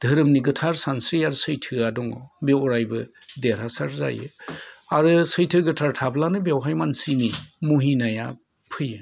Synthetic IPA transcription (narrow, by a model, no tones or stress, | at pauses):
d̥ʱɯɾɯmniɡɯtʰaɾsansɾijaɾɯsɯjtʰɯadɔŋɔbewɔɾajbɯ | deɾasaɾza̰jɯ̰aɾɯsɯjtʰɯɡɯtʰaɾtʰablanɯbewɦajmansinimuɦinaja | pʰɯjɯ